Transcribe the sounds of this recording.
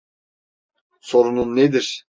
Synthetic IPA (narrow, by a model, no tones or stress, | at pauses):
so̞ɾununːed̪iɾ̥